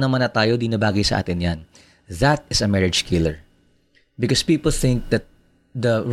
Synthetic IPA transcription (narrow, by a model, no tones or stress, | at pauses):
nɐmanɐt̪aːjod̪ɪnɐbaːɡɐjsɐʔa̰ːt̪ɪnjan | ðɐt̪̚ɪsɐmɛɹɪdd͡ʒkʰɪlɛɹ | bɪkɔspiːpəlθɪ̃ŋk̚d̪ɐt̪̚ | d̪ɐ